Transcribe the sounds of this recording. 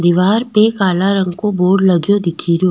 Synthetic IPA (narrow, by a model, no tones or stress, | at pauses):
d̪ɪʋaːɾpekaːlaɾə̃ŋɡkoboːɾɖlɐɡjod̪ɪkʰiɾjoː